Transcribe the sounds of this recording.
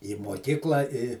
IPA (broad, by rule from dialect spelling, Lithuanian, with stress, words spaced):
iː moːˈkʲiːklˠɐ ɪ